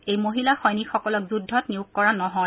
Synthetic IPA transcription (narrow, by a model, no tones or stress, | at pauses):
ejmoɦilaxɔjnikxɔkɔlɔkzudʱːɔtniʊkːɔɹanɔɦɔ